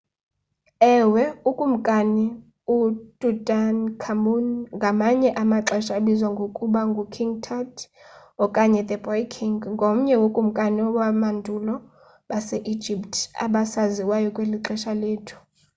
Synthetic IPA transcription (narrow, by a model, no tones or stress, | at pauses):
ɛwɛukʼum̩kʼani | udʼudankʰamunŋɡʱamaɲɛʔamaǁɛʃaelizwaŋɡʱokʼuɓaŋɡʱukʰiŋɡtʰad | ɔkʼaɲɛd̪ɛbɔjkʰiŋɡŋɡʱom̩ɲɛwokʼum̩kʼaniɔwamandʱulɔ | ɓasɛʔi̥d͡ʒʱiptʰa̰ɓasaziwajɔkʼweliǁɛʃaleːtʰu̥